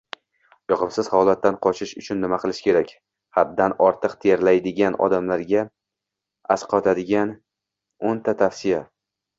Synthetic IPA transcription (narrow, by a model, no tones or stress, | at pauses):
jɒqʰɨmsɪzhɒlˠat̪ːanqʰɒt͡ʃʰɪʃʊt͡ʃʰʊnːɪmaqʰɨlˠɪʃkʲe̞ɾakʲ | had̪ːanɒɾt̪ʰɨqt̪ʰeɾlajd̪ɪɡʲanɒ̰d̪amlaɾɡʲa | asqʰɒt̪ʰad̪ɪɡʲan | ont̪ʰat̪ʰafsɪja